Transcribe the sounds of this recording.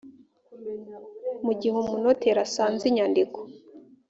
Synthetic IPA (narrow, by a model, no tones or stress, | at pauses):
muɟihumunoteɾasaːnziɲandiko̥